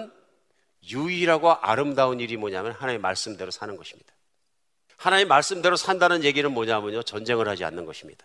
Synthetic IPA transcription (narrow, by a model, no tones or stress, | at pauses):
n | juiɾaɡoʔaɾɯmdaɯniɾimʌɲaɦmjʌnhanaima̰ɭs͈ɯmde̞ɾosʰanɯnɡʌɕʰi̥mɲid̥ḁ | hanaimmːaɭs͈ɯmde̞ɾosʰandanɯnje̞ɡiɾɯnmʌɲaɦmjɯɲot͡ɕʌnd͡ʑe̞ŋɯɭhad͡ʑia̰nːɯnɡʌɕʰimɲid̥ḁ